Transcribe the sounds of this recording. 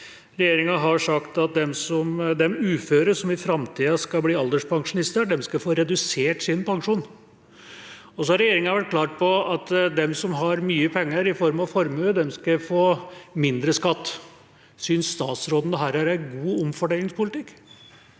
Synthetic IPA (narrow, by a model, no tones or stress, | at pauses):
ɾɛjeːɾɪŋɑɦɑʂɑkt̪ɑt̪̚d̪ɛmsɔmd̪ɛmʉːføːɾəsɔmɪfɾɑmt̪ʰiːɑskɑbliːɑld̪əʂpʰɑŋʂʊnɪst̪əɖ̪ɛmskɑfoːɾɛd̪ʉseːʈsɪnpɑŋʂuːn | ɔs̬ɔhɑɾɛjeːɾɪŋɑʋæʈ̚ːkʰlɑːʈ̚pʰɔɑt̪d̪ɛmsɔmɦɑɾmyːəpʰɛŋːəɾɪfɔɾmɑʋfɔɾmʉːd̪ɛmskɑfoːmɪnd̪ɾəskɑt̪ː | synsst̪ɑːt̪sɾɔd̪n̩əɦæːɾæɾæɪɡuːɔmfɔɖeːlɪŋspʰʊlɪt̪ɪkː